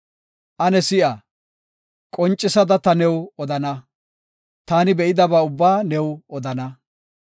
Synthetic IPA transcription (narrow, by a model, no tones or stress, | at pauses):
ʔɐnɛsɪʔɐ | kʼɔnt͡ʃʼːɪsɐd̪ɐt̪ɐnɛwɔd̪ɐnɐ | t̪aːnɪbɛʔɪd̪ɐbaːʊbːaːnɛwɔd̪ɐnɐ